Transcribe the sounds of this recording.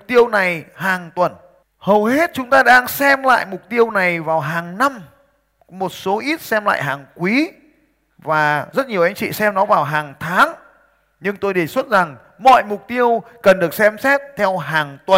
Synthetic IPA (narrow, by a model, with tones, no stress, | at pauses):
k͡p̚t̪i˧əwna˨˩jhaː˨˩ŋt̪wə˨˩n | hə˨˩wɦe˦˥t̚t͡ɕʊ˨˦ŋ͡mt̪aː˧ɗaː˧ŋsɛ˧mla̰ː˧˨jmʊ˨˩k͡p̚t̪i˧əwna˨˩jvaː˨˩wɦaː˨˩ŋna˧m | mo˨˩t̚so˨˦ʔi˦˥t̚sɛ˧mla̰ː˧˨jɦaː˨˩ŋkwi˨˦ | vaː˨˩zə˦˥t̚ɲi˨˩əwʔa˨˧jŋt͡ɕḭ˧˨sɛ˧mnɔ˨˦vaː˨˩wɦaː˨˩ŋt̪ʰaː˨˦ŋ | ɲɨ˧ŋt̪o˧jɗe˧˩swə˦˥t̚za˨˩ŋ | mɔ̰˧˨jmʊ˨˩k͡p̚t̪i˧əwkə˨˩nɗɨ˨˩ə˩k̚sɛ˧msɛ˦˥t̚t̪ʰɛ˧wɦaː˨˩ŋt̪wə˨˩